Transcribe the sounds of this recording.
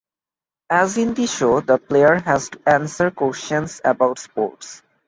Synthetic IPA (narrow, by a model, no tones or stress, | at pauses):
æzĩnd̪iʃod̪əplejəɾɦæzʈuʔæ̃nsəɾkwost͡ʃə̃nsəbaʊʈspo̰ːɾʈs